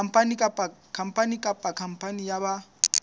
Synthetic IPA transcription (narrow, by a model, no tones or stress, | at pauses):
m̩pʼanikʼapʼakʰam̩pʼanikʼapʼakʰam̩pʼanijaba